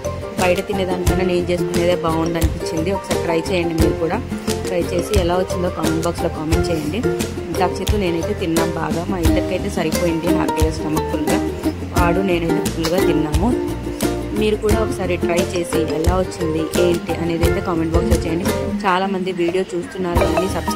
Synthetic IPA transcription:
bɐjʈɐt̪inɐd̪aːnkɐːnɐːne̞ːnt͡ʃe̞ːskune̞ːd̪eːbaːund̪ɐnipit͡ʃːind̪iɔkɐsaːɾiʈɾɐjt͡ʃɛːjɐɳɖimiːɾukuːɽaːʈɾɐjt͡ʃe̞ːsiɛlaːʋɐt͡ʃːind̪oːkaːmeɳʈbaːkslo̞ːkaːme̞ɳʈ̚t͡ʃɛːjɐɳɖi | d̪akt͡ʃit̪une̞ːnɐjt̪e̞ːt̪inːaːmba̰ːɡaːmaːid̪ɐɾikɐjt̪e̞ːsɐɾipoːjiɳɖina̰ːpiɡɐsʈɐmɐkkuluɡaː | aːɽune̞ːnɐjt̪eɐkuluɡaːt̪inːaːmu | miːɾukuːɽaːɔkɐsaːɾiʈɾɐjt͡ʃe̞ːsiʔɛlaːʋɐt͡ʃːind̪iʔeːɳʈiʔɐne̞ːd̪ɐjt̪e̞ːkaːmeɳʈ̚baːksloːt͡ʃɛːjɐɳɖit͡ʃaːlaːmɐnd̪iʋiːɽijo̞ːt͡ʃuːst̪unːaːɾuɐɐnisɐb

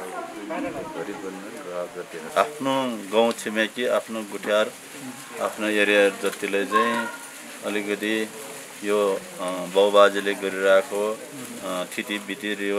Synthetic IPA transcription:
ɡʱʌɾibʌnːkaɡʌt̪inapʰnoɡãw̃t͡sʰimekiapʰnoɡuʈʰjaɾ | apʰnojʌɾijaɾd͡zʌt̪ilajt͡saĩ | ʌlikʌt̪i | jo | bʌwbad͡zileɡʌɾiɾʌakʰo | t̪ʰit̪ibit̪iɾijo

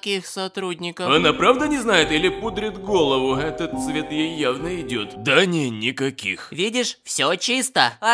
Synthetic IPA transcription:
kʲixsɐt̪ɾudʲnʲɪkəɐnapɾavd̪ənʲɪznajɪt̪ilʲɪpud̪ɾʲɪt̪ɡo̞lˠəvʊɛt̪ət̪svʲe̞t̪jejːavnəɪdʲot̪d̪ɐnʲɪnʲɪkɐkʲḭxvʲidʲɪʂfsʲot͡ɕist̪əɐ

